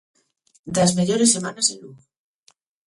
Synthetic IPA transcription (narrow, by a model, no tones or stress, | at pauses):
d̪azmeʎoɾese̞manaseluɣ